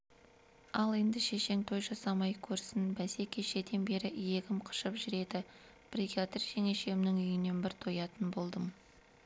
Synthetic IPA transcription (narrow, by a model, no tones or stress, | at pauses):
ɑlˠe̞nd̪ɪʃe̞ʃe̞ŋt̪ʰo̞jʒɑsɑmɑjkʲʰɵɾsɪnbæse̞kʲʰeʃe̞d̪e̞nbe̞ɾɪʔje̞kʲɪmqʰə̥ʃəpʒʏɾe̞d̪ɪ | b̥rikʲat̪rʒaŋe̞ʃemnɪŋʏjɪne̞nbɪɾt̪ʰo̞jɑt̪ənbo̞lˠd̪əm